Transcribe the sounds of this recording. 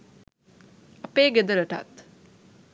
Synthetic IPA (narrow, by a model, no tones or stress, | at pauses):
ɐpeːɡed̪əɾəʈa̰t̪